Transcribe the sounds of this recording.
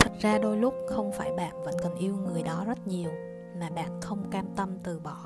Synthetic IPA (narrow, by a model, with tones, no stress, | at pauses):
t̪ʰə˨˩t̚zaː˧ɗo˧jlʊ˦˥k͡p̚xə˧wŋ͡mfaː˧˩jɓa̰ː˧˨nvə̰˧˥nkə˨˩nʔi˧əwŋɨ˨˩əjɗɔ˨˦zə˦˥t̚ɲi˨˩əw | maː˨˩ɓa̰ː˧˨nxə˧wŋ͡mkaː˧mt̪ə˧mt̪ɨ˨˩ɓɔ˧˩